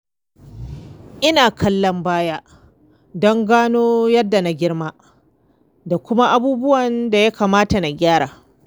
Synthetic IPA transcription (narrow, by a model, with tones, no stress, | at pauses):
ʔɪ˦naː˨kʰɐ˦lːɐ˦mbaː˦jaː˦ | dɔ˦ŋɡaː˦noː˦jɐ˦dːa˨na˦ɡʲɪ˦ɽmaː˦ | da˨kʷʊ˦ma˦ʔa˦buː˦bʊ˦wɐ˨nda˨ja˦kaː˨maː˦ta˨na˨ɡʲaː˦ɽaː˨